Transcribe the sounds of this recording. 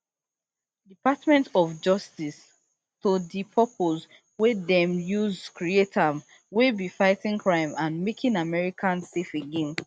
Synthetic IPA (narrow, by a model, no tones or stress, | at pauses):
dipatmɛ̃ntɔfd͡ʒɔstis | todipʰɔpʰoz | wedɛ̃mjuzkɹietʰam | webifaɪtĩŋkʰɹãɪ̃mãnmekʰĩnamɛɹikʰãnsefeɡẽn